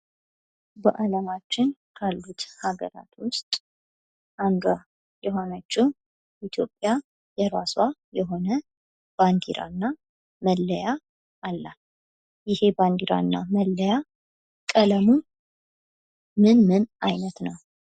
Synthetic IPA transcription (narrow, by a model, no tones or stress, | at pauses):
bəʔaləmat͡ʃːɪnkʰalːut̪haɡə̰ɾa̰t̪wʊst̪ʼ | and̪a | jɛɦo̞nət͡ʃːu | ʔit̪ʰjo̞pʼːja | jɛɾaswajɛɦo̞nə | b̥and̪iɾʔa̰nːa | məlːəja | alːal | jɪhe̞band̪iɾa̰nːa̰məlːəja | kʼələmu | mɨnmɨnajnət̪nəw